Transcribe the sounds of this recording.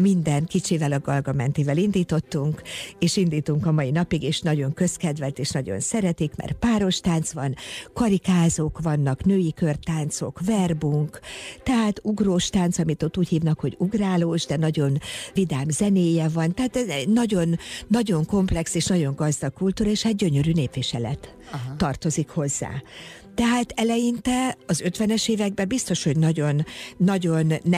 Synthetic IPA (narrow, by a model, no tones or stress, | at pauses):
mind̪ɛnkit͡ʃiːvɛlɒɡɒlɡɒmɛnt̪ivɛlind̪iːt̪o̞t̪ːuŋkeːʃind̪iːt̪uŋkɒmɒjinɒpiɡeːʃnɒɟo̞ŋkø̞skɛd̪vɛlt̪eːʃnɒɟo̞̰nsɛɾɛt̪ikmɛ̰rpaːɾo̞ʃt̪aːnt̪sʋɒnkɒɾikaːzoːkʋɒnːɒknøːjikø̞rt̪aːnt̪so̞̰kvɛrbuŋkt̪ɛɦaːt̪uɡroːʃt̪aːnt̪sɒmit̪o̞t̪ːuːchiːvnɒkho̞ɟuɡraːloːʒd̪ɛnɒɟo̞nvid̪aːmzɛneːjɛvɒnt̪ɛɦaːt̪ɛɛnɒɟo̞nːɒɟo̞ŋko̞mplɛkseːʃnɒɟo̞ŋɡɒzd̪ɒkkːult̪uːɾɒeːʃhaːt̪̚ɟø̞ɲø̞ɾyːneːpʋiʃɛlɛ̰t̪ː | ɒrt̪o̞zikho̞zːa̰ː | t̪ɛɦaːt̪ɛlɛjint̪ɛɒzø̞t̪ʋɛnɛʃeːvɛɡ̚bɛbist̪o̞ʃho̞ɟnɒɟo̞nːɒɟo̞nː